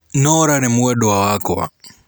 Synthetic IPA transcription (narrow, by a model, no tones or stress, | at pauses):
nɔɾanimuwɛɗɔwawakɔa̰